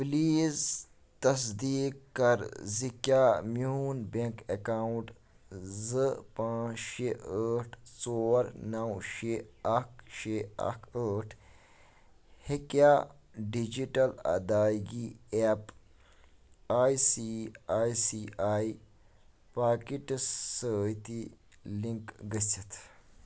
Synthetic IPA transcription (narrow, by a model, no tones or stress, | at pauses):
pliːz | t̪ɐs̬d̪iːkːɐɾzikjaːmjuːnbeŋkekaːuʈ | zɨpãːt͡ʃʃeəːʈʰsoːɾnɐwʃeːɐk̚ʰʃeːɐ̰kʰəːʈʰ | hekja | ɖid͡ʒiʈɐlɐ̰d̪aːɡiep | aːjsiaːjsiaːji | paːkiʈsət̪i | lĩŋkɡəsit̪ʰ